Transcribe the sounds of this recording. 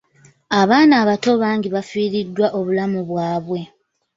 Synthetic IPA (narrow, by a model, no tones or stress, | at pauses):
aβaːnaːβato̞βaːŋɡiβafiːɾidːwaʔoβulamuβwaːβwe̞